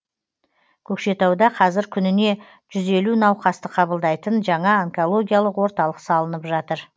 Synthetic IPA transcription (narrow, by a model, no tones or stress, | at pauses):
kʲʰɵkʃe̞t̪ɑwd̪ɑqʰɑzɪɾkʲʰʏnɪne̞ | ʒ̥ʏze̞lunɑwqɑst̪əqʰɑbəlˠd̪ɑjt̪ənʒɑɴɑaŋko̞lˠo̞ɡʲijalˠəqwo̞ɾt̪ɑlˠəqsɑlˠənəpʒɑt̪əɾ